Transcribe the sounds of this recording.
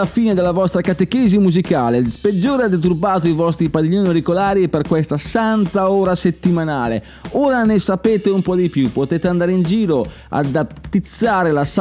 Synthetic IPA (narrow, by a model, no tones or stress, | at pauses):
afiːned̪elːavɔst̪ɾakat̪ekeːzimuzikaːlesped͡ʒːoːɾead̪et̪̬urbaːt̪oivɔst̪ɾipad̪iʎːonioɾikolaːɾieperkwɛst̪asant̪aoːɾaset̪ːimanaːlḛ | oːɾanesapeːt̪eumpɔd̪ipjupːot̪eːt̪eand̪aːɾeind͡ʒiːɾo | a̰d̪at̪ːit̪sːaːɾelas